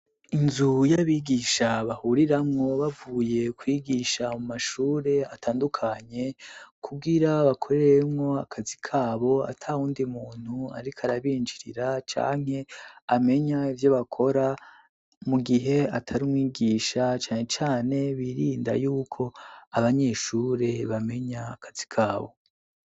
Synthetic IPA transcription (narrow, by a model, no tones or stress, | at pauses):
inzujaβiːɡiːʃaβahuɾiɾamŋo̞βavuːje̞kwiɡiʃamumaʃuːɾe̞atʰaːndukʰaɲe̞kʰuɡiɾaβakʰo̞ɾeɾemŋo̞akʰazikʰaːβo̞a̰tʰauːndimuːn̥hua̰ɾikʰaɾaβiːnd͡ʒiɾiɾat͡ʃa̰ːŋ̥he̞ame̞ɲaivjo̞βakʰo̞ɾa | muɡiɦe̞atʰaɾumŋiːɡiːʃat͡ʃaːŋhe̞t͡ʃaːne̞βiːɾiːnda̰juːkʰo̞aβaɲe̞ʃuːɾe̞βame̞ɲaːkʰḁz̥i̥kʰaːβo̞̰